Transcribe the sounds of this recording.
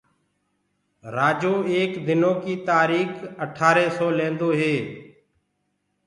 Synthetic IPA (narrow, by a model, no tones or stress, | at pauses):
ɾaːd͡ʒõːeːkd̪ɪnõːkiːt̪aːɾiːkəʈʰaːɾeːsɔːlẽːnd̪oːɦeː